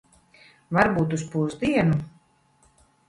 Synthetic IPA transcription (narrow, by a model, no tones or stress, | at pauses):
vaɾbuːt̪uspuzd̪iɛnu